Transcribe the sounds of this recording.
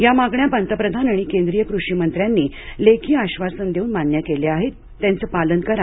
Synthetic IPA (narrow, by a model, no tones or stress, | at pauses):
jamaɡɳjapənt̪əpɾəd̪ʱanaɽ̃ikẽnd̪ɾijəkɾuʂimənt̪ɾjanːiː | lekʰiːaɕʋasənd̪eunmanjakeleaɦet̪ːjant͡səpalənkəɾa